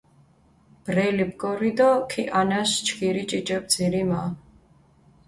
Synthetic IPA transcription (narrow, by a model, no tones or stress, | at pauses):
b̥ɾɛlibɡʼɔɾid̪ɔkʰiʔanast͡ʃʰkʰiɾit͡ʃʼit͡ʃʼɛb̚d̪ziɾima